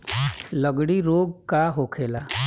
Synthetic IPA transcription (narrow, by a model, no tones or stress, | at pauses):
ləɡɽiɾoːɡkaɦoːkʰeːlaː